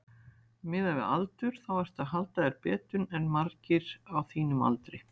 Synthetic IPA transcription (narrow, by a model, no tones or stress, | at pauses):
mɪðavɪða̰lt̪ʏɾ̥θawɛɾ̥t̪aɦalt̪aðɛɾpɛːt̪ʏnɛnmaɾcɪɾawθiːnʏma̰lt̪ɾɪ